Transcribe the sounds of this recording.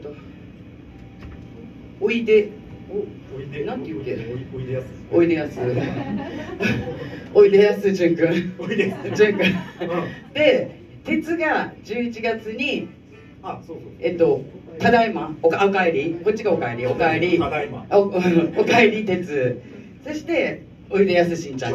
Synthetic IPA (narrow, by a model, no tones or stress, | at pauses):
et̪o | oit̪e̞ | nãnt̪ːeɯt̪e | oit̪ejasɨ | oit̪e̞jasɨʑɨ̃ŋkɯ̃ | ɕɨ̃ŋkã | d̪̥e̞ | t̪e̞t͡sɨɡad͡ʑɨːit͡ɕiɡat͡sɨɲ̟i | et̪ːo̞t̪ad̪aimaokaokaeɾʲiko̞t͡ɕːiɡaokaeɾʲiokaeɾʲi | ɯ̃okaeɾʲit̪e̞t͡sɨ | so̞ɕi̥t̪e̞ | o̞id̪e̞jasɨɕĩɲt͡ɕã̰